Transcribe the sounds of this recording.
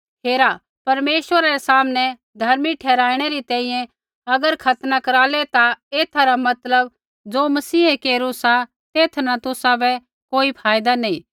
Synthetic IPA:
ɦeːɾa | pɐɾmeːswəɾaɾɛsaːmnɛ | d̪ʱɐɾmiʈʰɛːɾaːɪɽ̃ɛɾit̪ɛ̃ːĩjɛ̃ | ɐɡəɾkʰɐt̪nakɐɾaːlɛt̪aeːt̪ʰaɾamɐt̪ləb | d͡zoːmɐsiːɦekeːɾũsa | t̪eːt̪ʰnat̪ʊsabɛ | koːipʰaːjd̪anɐĩː

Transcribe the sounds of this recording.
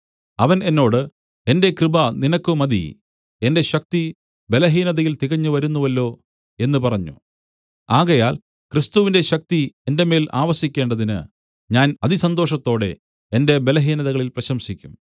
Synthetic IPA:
ɐʋɐne̞nːo̞ːɽɨ | e̞nde̞krɨbɐninɐkːɨmɐd̪ḭ | e̞nde̞ɕɐk̚t̪i | be̞lɐɦiːnɐðɐjilt̪iɣɐɲːuʋɐɾunːuʋɐlːo̞ː | e̞nːɨpɐrɐɲːṵ | aːɣɐjaːl | krist̪uʋinde̞ɕɐk̚t̪ie̞nde̞me̞ːlʔa̰ːʋɐsikʲːe̞ːɳɖɐðinɨ̰ | ɲaːnɐðisɐnd̪o̞ːʂɐt̪ːo̞ːɽe̞ | ende̞be̞lɐɦiːnɐðɐɣɐɭilprɐɕɐmsikʲːum

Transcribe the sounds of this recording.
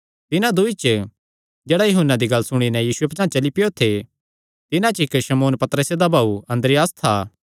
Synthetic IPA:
t̪ɪnãd̪ʊit͡ʃ | d͡ʒɛːɽajɐɦʊnːad̪iɡɐlːsʊɽ̃inɛ̃jiːsuepɐt͡ʃãːt͡ʃɐlipɪjot̪ʰe | t̪ɪnãt͡ʃɪkʃɐmoːnpɐt̪ɾəsed̪abʱaːuɐ̃nd̪ɾɪjaːst̪ʰaː

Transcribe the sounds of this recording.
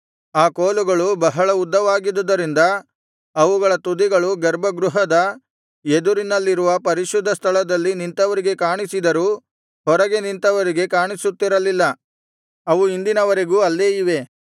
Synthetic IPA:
aːkoːluɡɐɭubɐɦɐɭɐud̪ːɐʋaːɡid̪ɐd̪ɐɾind̪ɐ | ɐʋuɡɐɭɐt̪ud̪iɡɐɭuɡɛɾbɐɡɾuɦɐd̪ɐ | ed̪uɾinɐlːiɾuʋɐpɐɾiʃud̪ʱːɐst̪ʰɐɭɐd̪ɐlːinint̪ɐʋɐɾiɡe̞kaːɳisid̪ɐɾuː | hɔɾɐɡe̞nint̪ɐʋɐɾiɡe̞kaːɳisut̪ːiɾɐlilːɐ | ɐʋuind̪inɐʋɐɾe̞ɡuːɐlːeːiʋe̞

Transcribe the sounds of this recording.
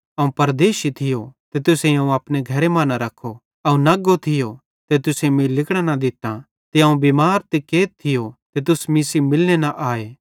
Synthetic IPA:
ɐũpɐɾd̪eːʃit̪ʰɪjot̪et̪ʊseɐ̃ũɐpneɡʱɐɾemãːnaɾɐkʰːo | ɐũnɐɡot̪ʰɪjo | t̪et̪ʊsemĩlɪkɽ̃anad̪ɪt̪ːa | t̪eɐũbiːmaːɾt̪ekeːt̪̚t̪ʰːɪjot̪et̪ʊsmisimɪlnenaʔaːeː

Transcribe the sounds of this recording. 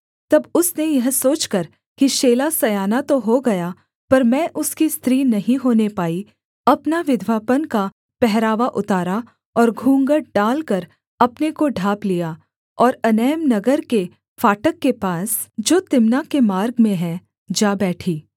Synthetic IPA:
t̪ɐbʊsnejɐɦsoːt͡ʃkɐɾ | kiʃeːlasɐjaːnat̪oɦoɡɐja | pɐɾmɛ̃ːʔʊskist̪ɾiːnɐɦĩɦoːnepaːi | ɐpnaʋɪd̪ʱʋaːpənka | pɛɦɾaːʋaʔʊt̪aːɾa | ɔːɾɡʱũːŋɡəɽɖaːlkɐɾ | ɐpnekoɖʱaːplijaː | ɔːɾɐnɛːmnɐɡəɾke | faːʈəkːepaːs | d͡ʒoːt̪ɪmnakemaːɾɡmẽɦɛ̃ | d͡ʒaːbɛːʈʰiː

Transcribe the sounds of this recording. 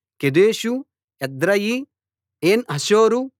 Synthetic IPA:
ked̪eːʃu | ɛd̪ɾɐji | eːnɦɐʃoːɾu

